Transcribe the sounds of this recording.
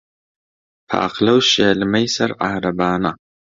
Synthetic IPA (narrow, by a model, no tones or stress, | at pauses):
pʰa̰ːqlɐwʃɐːlɨmɐjsɐɾʔahɾɐbaːna